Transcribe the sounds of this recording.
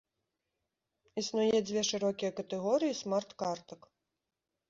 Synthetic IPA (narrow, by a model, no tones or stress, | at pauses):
isnujɛd͡zʲvʲɛʂɨɾɔkʲijɐkɐt̪ɛɣɔɾɨjismart̪kart̪ɐk